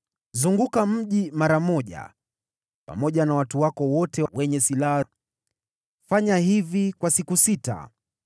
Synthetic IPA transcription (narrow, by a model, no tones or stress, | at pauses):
zuŋɡukam̩ʄimaɾamɔʄa̰ | pa̰mɔʄanawatuwakɔwɔtɛwɛɲɛsilaha | faɲaɦivikwasikusita̰